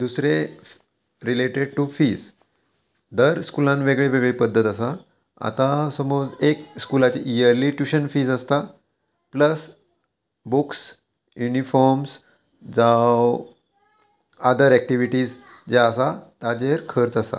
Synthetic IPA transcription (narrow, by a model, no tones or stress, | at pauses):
d̪usɾe | ɾileʈeɖ̚ʈufiːs | d̪əɾskulãnʋeɡɭeʋeɡɭepəd̪ʱːət̪əsa | a̰t̪asəmod͡zekskulat͡ɕiʔijəɾliːʈjuɕənfiːd͡zəst̪a | pləs | buks | junifɔɾms | d͡zaw | ad̪əɾæk̚ʈiʋiʈiːd͡zd͡ʑeəsat̪ad͡ʑeɾkʰəɾt͡sasa̰